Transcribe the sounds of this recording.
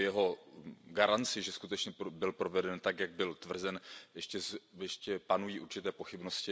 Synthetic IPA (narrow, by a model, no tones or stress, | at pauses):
jɛɦo̞ɡaɾant͡sɪʒɛskut̪ɛt͡ʃɲɛbɪlpɾo̞vɛdɛnt̪akjaɡ̚bɪlt̪vr̩zɛnjɛʃcɛzjɛʃcɛpanujiːʔuɾt͡ʃɪt̪ɛːpo̞xɪbno̞scɪ